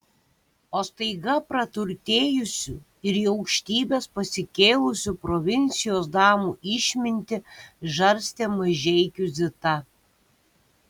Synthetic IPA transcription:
oːst̪ɐɪɡɐpɾɐt̪ʊɾʲt̪ʲeːjʊsʲu | ɪɾiːɒʊkʃʲt̪ʲiːbʲeːspɐsʲɪkʲeːlˠʊsʲupɾɔʋʲɪnʲt̪sʲɪjoːs̬d̪ɑːmuːʔɪʃʲmʲɪnʲt̪ʲɪʒɐɾʲsʲt̪ʲeːmɐʒʲɛɪkʲʊzʲɪt̪ɐ

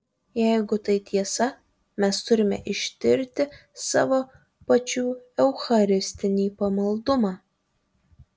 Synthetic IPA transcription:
jɛɪɡʊt̪ɐɪt̪ʲiɛsɐ | mʲɛst̪ʊɾʲɪmʲɛ̰ʔɪʃʲt̪ʲɪɾʲt̪ʲɪsɑ̰ːʋoː | pɐt͡ʃʲuːɛʊxɐɾʲɪsʲt̪ʲɪnʲiːpɐmɐlˠd̪ʊmɑː

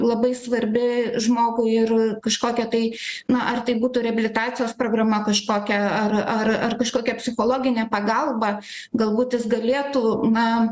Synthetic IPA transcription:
lˠɐbɐɪsʋɐɾʲbʲɪʒmoːɡʊɪɪrkɐʃkoːkʲɛt̪ɐɪnɐʔɐrt̪ɐɪbuːt̪ʊːɾʲɛɐbʲɪlʲɪt̪ɑːtt͡sʲɪjoːspɾoːɡrɐmɐkɐʃkoːkʲɛɐrɐrɐrkɐʃkoːkʲɛpʲsʲɪxoːlˠoːɡʲɪnʲɛpɐɡɐlˠbɐ | ɡɐlˠbuːt̪jɪsɡɐlʲeːt̪unɐ

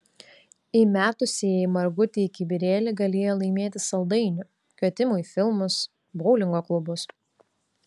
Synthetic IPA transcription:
imʲæːt̪ʊsʲeɛjmɐɾɡʊt̪ʲɪɪkʲɪbʲɪɾʲeːlʲɪɡɐlʲeːjoːlˠɐɪmʲeːt̪ʲɪsɐlˠd̪ɐɪnʲʊ | kʲɛːt̪ʲɪmʊɪfʲɪlˠmʊs | bɔʊlʲɪŋɡoːklˠʊbʊs

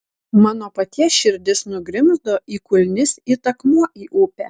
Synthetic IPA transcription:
mɑːnoːpɐt̪ʲiɛʃʲɪɾʲd̪ʲɪsnʊɡɾʲɪmzd̪oːʔiːkʊlʲnʲɪsiːt̪ɐkmuɔʔiːʔuːpʲæ̰ː

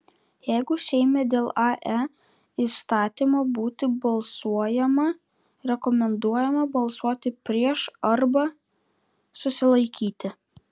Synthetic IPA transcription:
jɛɪɡʊsʲɛɪmʲeːd̪ʲeːlˠɑʔɛ | iːst̪ɑːt̪ʲiːmoːbuːt̪ʲɪbɐlˠsuɔjɛmɐ | ɾʲɛkɔmʲɛnd̪uɔjɛmɐbɐlˠsuɔt̪ʲɪpʲɾʲiɛʃɐɾbɐ | sʊsʲɪlˠɐɪkʲiːt̪ʲɪ

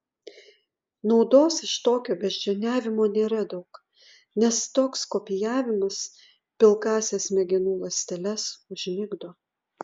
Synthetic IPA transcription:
nɒʊd̪oːsɪʃt̪oːkʲoːbʲɛʒʲd͡ʒʲɛnʲæːʋʲɪmoːnʲeːɾɐd̪ɒʊk | nʲɛst̪oːkskoːpʲɪjæːʋʲɪmɐs | pʲɪlˠkɑːsʲɛːsmʲɛɡʲɪnuːlˠɐsʲt̪ʲɛlʲɛsʊʒʲnʲɪɡd̪oː

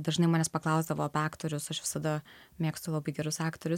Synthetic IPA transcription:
d̪ɐʒnɐɪmɑːnʲɛspɐklˠɐʊzd̪ɐʋoːɐpʲɑːkt̪oːɾʲʊsɐʃʋʲɪ̥sɐd̪ɐ | mʲeːkst̪ʊlˠɑːbɐɪɡʲɛɾʊsɑːkt̪oɾʲʊs

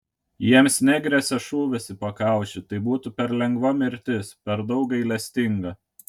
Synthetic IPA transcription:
jiɛmsnʲɛɡɾʲɛsʲɛʃuːʋʲɛsɪpɐkɑˑʊt͡ʃʲɪt̪ɐɪbuːt̪upʲɛɾlʲɛŋɡʋɐmʲɪɾʲt̪ʲɪspʲɛɾd̪ɒʊkɐɪlʲɛsʲt̪ʲɪŋɡɐ

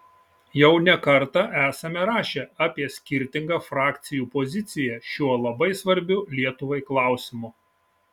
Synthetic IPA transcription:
jɛʊnʲɛkɐɾt̪ɑʔæːsɐmʲɛɾɑːʃʲeɑːpʲiɛsʲkʲɪɾʲt̪ʲɪŋɡɑːfɾɑːkʲt̪sʲɪjuːpɔzʲɪt̪sʲɪjɛʃʲuɔlˠɐbɐɪsʋɐɾʲbʲʊlʲiɛt̪ʊʋɐɪklˠɑˑʊsʲɪmʊ

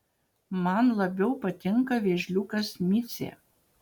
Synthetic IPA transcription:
mɐnlˠɐbʲɛʊpɐt̪ʲɪŋkɐʋʲeːʒʲlʲukɐsmʲɪt̪sʲḛ

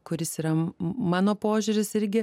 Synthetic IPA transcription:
kʊɾʲɪsiːɾɐmɑːnoːpoːʒʲʊɾʲɪsɪɾʲɡʲɪ

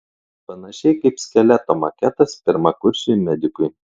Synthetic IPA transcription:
pɐnɐʃʲɛɪkɐɪpsʲkʲɛlʲæt̪omɐkʲɛt̪ɐspʲɪɾmɐkʊɾʲʃʲɪmʲɛd̪ʲɪkʊj

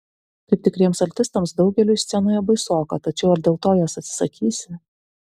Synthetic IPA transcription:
kɐɪp̚t̪ʲɪkɾʲiɛmsɐlʲt̪ʲɪst̪ɐmsd̪ɒʊɡʲɛlʲʊjsʲt̪sʲɛnʊjɛbɐɪsoːkɐt̪ɐt͡ʃʲɛʊɐɾd̪ʲeːlˠt̪oːjoːsɐt̪sʲɪ̥sɐkʲiːsʲɪ

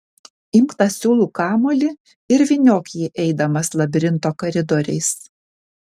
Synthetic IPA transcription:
ɪmkt̪ɐsʲuːlˠuːkɑːmoːlʲɪ | ɪɾʋʲɪnʲoːkʲjɛʔɛɪd̪ɐmɐslˠɐbʲɾʲɪnt̪oːkɐɾʲɪd̪ɔɾʲɛɪs

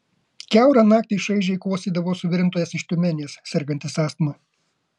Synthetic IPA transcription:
kʲæˑʊɾɐnɑːk̚t̪ʲiɪʃɐɪʒʲɛɪkˠoːsʲiːd̪ɐʋoːsʊʋʲɪɾʲɪnt̪oːjɛsɪʃt̪ʲʊmʲɛnʲeːssʲɛɾɡɐnʲt̪ʲɪsɑːst̪mɐ

